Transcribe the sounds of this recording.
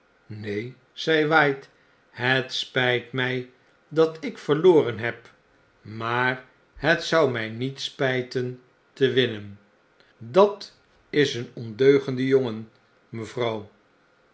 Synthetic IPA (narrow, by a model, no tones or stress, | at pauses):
nej | z̥ɛjʋɑjt | ɦətspɛjtmɛj | dɑtɪkfəɹloːrənɦɛp | maːr | ɦətsʌwmɛjnitspɛjtən | təʋɪnən | dɑt | ɪsənɔndøɥχəndəjoŋən | məvrɑw